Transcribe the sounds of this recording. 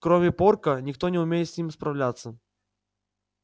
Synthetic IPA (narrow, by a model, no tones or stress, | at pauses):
kɾɔmʲɪpɔrkɐnʲɪxt̪onʲɛʊmʲejɪt̪sʲnʲimʲspɾɐwlʲat̪sːə